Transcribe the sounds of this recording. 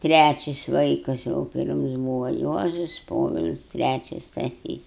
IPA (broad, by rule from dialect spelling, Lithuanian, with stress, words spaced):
ˈtʲrʲæt͡ʃʲɪs ˈʋɐɪkɐs jɛʊ ˈpʲɪrms ˈbuːʋɐ ˈjuɔzʊs ˈpoːʋʲɪlʲsʲ ˈtʲrʲæt͡ʃʲɪs stɐˈsʲiːs